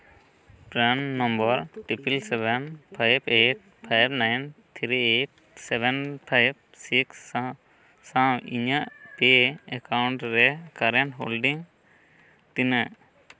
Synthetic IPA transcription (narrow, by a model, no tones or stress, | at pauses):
pɾanːɔ̃mbɔɾʈipilsɛbɛnpʰajbeʈ̚pʰajbnajnt̪ʰɾieʈ̚ | sɛbɛnpʰajb̚ | siksa | sãiɲaʔpeɛkawɳʈɾɛkaɾɛnɦolɖiŋ | t̪inaʔ